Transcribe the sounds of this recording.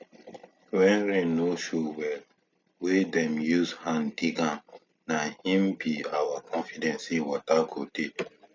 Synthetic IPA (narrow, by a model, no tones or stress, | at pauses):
wɛ̃nɹɛ̃noʃowɛl | wedɛ̃mjuzhãndiɡãn | nahĩmbiawakʰɔ̃nfidɛ̃nsĩwɔtaɡode